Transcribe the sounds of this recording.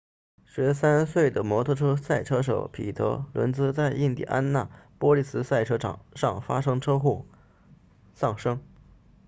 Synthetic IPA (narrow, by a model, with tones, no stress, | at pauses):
ɕɥɛ˧˥sa˥nswe˥˩ɪd̪ə˩mwɔ˧˥t̪ʰɤ˥˧ʈ͡ʂʰɤ˥sa˥˩ɪʈ͡ʂʰɤ˥ʂ̬o˨˩˥ʊpʰḭ˨˩t̪ʰɤ̰˧˥lwə̰˧˥nt͡sɹ̩˥t͡sa˥˧ɪʔi˥˧ŋt̪ḭ˥˩ʔa˥nna˥˩pwɔ˥li˥˩sɹ̩˥sa˥˩ɪʈ͡ʂʰɤ˥ʈ͡ʂɑ̰˨˩ʂɑ˥˩ŋfa˥ʂɤ˥ŋʈ͡ʂʰɤ˥xu˥˩ | sɑ˥˩ŋʂɤ˥ŋ